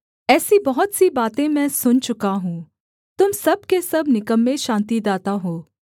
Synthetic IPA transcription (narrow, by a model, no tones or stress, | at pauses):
ɛːsibɐɦʊt̪sibaːt̪ẽmɛ̃ːsʊnt͡ʃʊkaɦũː | t̪ʊmsɐbkesɐbnɪkəmːẽʃãːnt̪id̪aːt̪aɦoː